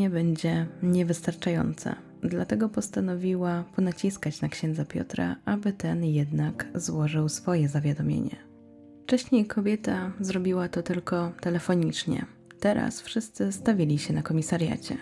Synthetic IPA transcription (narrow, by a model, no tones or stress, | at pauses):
ɛbɛɲd͡ʑɛɲɛvɘst̪aɾt͡ʂajɔ̰nt̪sa̰ | d̪lat̪ɛɡɔpɔst̪anɔvʲiwapɔnat͡ɕiskat͡ɕnakɕɛnd̪zapʲjɔ̰t̪ɾa̰ʔabɘt̪ɛnjɛd̪nakzwɔʐɘwsfɔjɛzavʲjad̪ɔmʲjḛɲɛ̰ | ft͡ʂɛɕɲejkʰɔbʲjɛt̪azɾɔbʲiwat̪ɔt̪ɘlkɔt̪ɛlɛfɔɲit͡ʂɲɛ̰ | t̪ɛɾa̰sfʂɘst̪sɘst̪avʲilʲiɕɛnakɔmʲisaɾʲja̰t͡ɕɛ̰